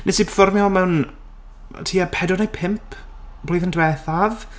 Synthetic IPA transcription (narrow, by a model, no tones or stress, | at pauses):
nʔɛsipʰfɔrmjɔmɛwn̰ | tʰiːapʰɛdɔnejpʰɪmpʰ | b̥lˠiːðəndwɛθað